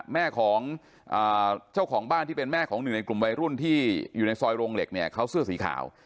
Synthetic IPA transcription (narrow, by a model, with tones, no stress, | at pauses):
mɛː˥˩kʰɔː˩˦ŋ | ʔɤː˨˩t͡ɕʰa˥˩wkʰɔː˩˦ŋbaː˥˩nt̪ʰiː˥˩pe˧nmɛː˥˩kʰɔː˩˦ŋnɯ˨˩n˧jklu˨˩mwa˧jɾu˥˩nt̪ʰiː˥˩juː˨˩na˧jsɔː˧jɾo˧ŋle˨˩k̚ni˥˩ɐkʰa˦˥wsɯ˥˩əsiː˩˦kʰa̰ː˩˦w